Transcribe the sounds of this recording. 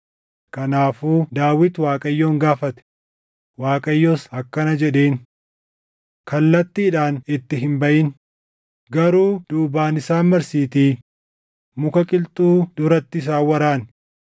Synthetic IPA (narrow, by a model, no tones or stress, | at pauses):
kɐnaːfuːd̪aːwɪt̪waːkʼɐjːoːŋɡaːfɐt̪ɛ̥ | waːkʼɐjːoːsɐkːɐnɐd͡ʒɛᶑeːn | kɐlːɐt̪ːiːᶑaːnɪt̪ːɪɦɪmbɐʔɪn | ɡɐɾuːd̪̥uːbaːnɪsaːnmɐɾsiːt̪iː | mʊkɐkʼɪlt̪ʼuːd̪̥ʊɾɐt̪ːɪɪs̬aːwɐɾaːn